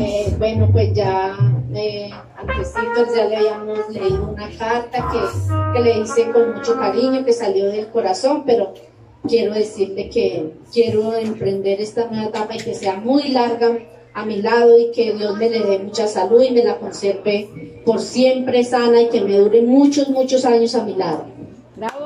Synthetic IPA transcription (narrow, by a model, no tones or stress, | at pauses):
ebwe̞no̞pwe̞sd͡ʒa | e | ant̪esit̪oɾd͡ʒaleaβiamosle̞iðo̞unakaɾt̪akeke̞le̞ðise̞ko̞nmut͡ʃo̞kaɾiɲo̞ke̞saljo̞ðe̞lko̞ɾaso̞mpe̞ɾo̞ | kje̞ɾo̞ðe̞siɾle̞ke̞kje̞ɾo̞empɾe̞nd̪e̞ɾe̞st̪anweβat̪apaike̞se̞amujlaɾɣaː | milaðo̞ike̞ðjo̞zme̞le̞ðemut͡ʃasaluðime̞lako̞nsje̞ɾt̪e̞po̞ɾsje̞mpɾe̞sanaike̞me̞ðuɾe̞mut͡ʃo̞zmut͡ʃo̞saɲo̞samilaðo̰